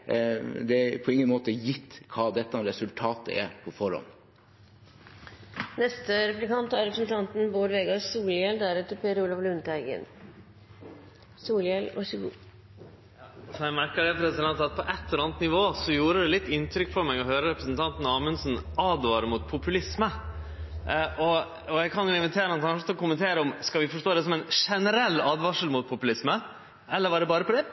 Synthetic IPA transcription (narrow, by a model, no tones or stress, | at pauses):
d̪ɛpʰɔɪŋːənmoːt̪əjɪt̪ːkʰɑːd̪ɛt̪ːəɑɾɛsʉlt̪ʰɑːt̪ʰə̰ʔæ̰ɾpʰɔfɔɾhɔ̰n | nɛst̪əɾɛplɪkɑnt̪æɾɾɛpɾsn̩t̪ʰɑnt̪n̩boːɾʋeːɡɑsuːljɛld̪æɾɛt̪əpʰeːɾuːlɑʋlʉnt̪əæɪɡə̰n | suːljɛlɔ̰sɡṵ | sɔæɪmæɾkəɖɛpʰɾɛsɪd̪ɛnt̪ɑt̪̚pʰɔʔɛt̪ːɛɾɑnət̪nɪʋoːsɔjuːɾəd̪ɛlɪt̪ːɪnt̪ʰɾʏkːfʰɔɾmɛɡɔɦøːɾəɾɛpɾəsn̩t̪ʰɑnt̪nɑːmənsnɑːd̪ʋɑːɾəmʊt̪̚pʰʊpʉlɪsmə | ʔɔ | ɔjæɡkʰɑnjʊɪnʋɪt̪ʰeːɾənɔnɪŋt̪ɔkʊmənt̪ʰeːɾəɔmskɑʋɪfɔʂʈoːd̪ɛsɔmɛnʂɛnəɾɛlːɑːd̪ʋɑʂəl̩mʊt̪̚pʰʊpʉlɪsmə | ɛlːəɾʋɑɖ̪ɛbɑːɾəpʰɔd̪ɛ